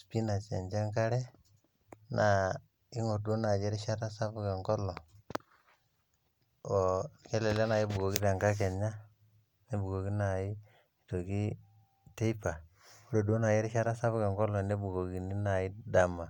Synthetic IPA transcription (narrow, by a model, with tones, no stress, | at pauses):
spi˦na˨t͡ʃe˨nt͡ʃe˦ŋka˦ɾe˦ | na˨ | i˦ŋo˨ɾdo˦na˨d͡ʒe˦ɾʃa˦ta˦sa˦bke˨ŋkɔ˦lɔ˨ | o˨ke˦le˨le˦na˨ji˦bu˨ɡo˨ki˦te˨ŋka˦k̬e˨ɲa˦ | ne˦bu˨ɡo˨ki˦na˨i˦ | i˨to˨ki˦ | te˦i˦pa˨ | wu˦ɾo˨do˦na˨je˦ɾʃa˦ɾa˦sa˦βke˨ŋkɔ˦lɔ˨ne˦bu˨ɡo˨ɡi˨ni˦na˨i˦da˨ma˨